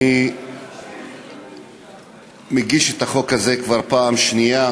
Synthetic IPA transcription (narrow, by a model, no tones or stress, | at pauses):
i | meɡiʃet̪aχo̞khaze̞kvaʁpaːmʃnia